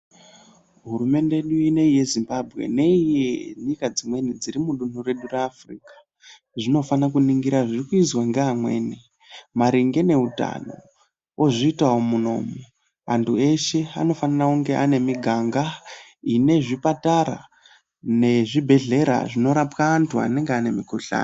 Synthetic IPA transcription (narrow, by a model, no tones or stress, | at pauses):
ɦurume̞ndeɗuine̞ije̞zimbabʱɣe̞̰ne̞ijeɲikad͡zimwe̞nid͡ziɾimuɗun̤ure̞ɗureːfriːkḁ | ʐino̞fanakuniŋɡiɾaʐirikuizwaŋɡeamwe̞̰ːni | maɾiŋɡe̞ne̞uta̰no̞̰ | ʔoʐiitawomuno̞̰mo | antʰue̞ʃe̞a̰no̞fanarakuŋɡe̞ʔane̞miɡʱaŋɡaine̞ʐipataɾa̰ | ne̞ʐibʱe̞ɮe̞ɾa̰ʐino̞ɾapkaːntʰua̰ne̞ŋɡeane̞mikoɬa̰ːna